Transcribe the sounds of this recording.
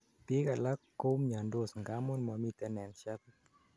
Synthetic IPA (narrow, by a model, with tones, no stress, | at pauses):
te˦ka˨la˦kːo˦mɲa˨ndo˦˨sŋɡa˦mo˦nmɔ˨mi˨t̪ɛ˨˦nɛ˨nʃa˦t̪